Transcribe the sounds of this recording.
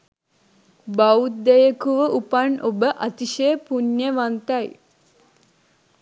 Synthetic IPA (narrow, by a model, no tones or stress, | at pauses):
baud̪ejəkuʋəʔupanobəʔat̪iʃejəpunjəʋant̪aj